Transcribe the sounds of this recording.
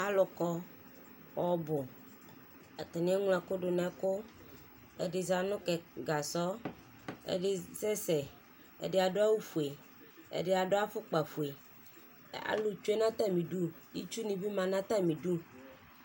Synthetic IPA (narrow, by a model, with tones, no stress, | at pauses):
a˦lɔ˨kɔ˦ | wɔ˨bʊ˨ | a˨t̪e˨nĩ˦a˦ŋ˦lã˨ko˦ɖʊ˨nã˦ko˦ | ḛ˨de˨za˨nʊ̃˦kɛ˨ɡa˨sɔ˦ | ḛ˦˨ɖe˨sɛ˦sɛ˨ | ḛ˨de˨a˨ɖo˦a˦wu˦fu˨e˨ | ḛ˨ɖe˦a˨ɖo˦a˦ɸʊ˦k͡pa˨fu˨e˨ | a̰˨lu˨t͡ʃu˦e˦nã˦t̪a˦mĩ˨ɖu˦ | ji˦t͡ʃu˦nĩ˨bi˦mã˨nã˦t̪a˦mĩ˨ɖu˦